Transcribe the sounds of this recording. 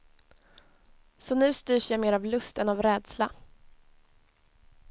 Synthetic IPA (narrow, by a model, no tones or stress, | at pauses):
sɔnʉ̟ːst̪yːʂjameːɾavlɵst̪ɛnavɾɛːd̪sla